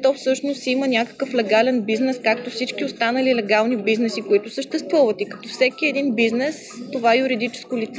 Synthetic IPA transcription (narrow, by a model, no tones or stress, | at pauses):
t̪ɔfsɤʃnost̪imənʲjakə̥kəflɛɡalɛnbiznɛskak̚t̪ofsit͡ʃkʲiost̪anəlilɛɡalˠnibiznɛsikoit̪ʊsəʃt̪ɛst̪vuvət̪ikɐ̥t̪ɔfsɛk̟iɛd̪inbiznɛs | t̪ovajuɾid̪it͡ʃɛ̥skolit̪sɛ